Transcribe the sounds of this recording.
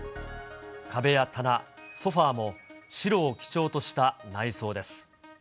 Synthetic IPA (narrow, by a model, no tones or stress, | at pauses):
kʰabe̞jat̪ʰanaso̞ɸaːmo̞ɕiɾo̞ːkʲi̥t͡ɕo̞ːt̪o̞ɕi̥t̪anaiso̞ːd̪e̞sɨ̥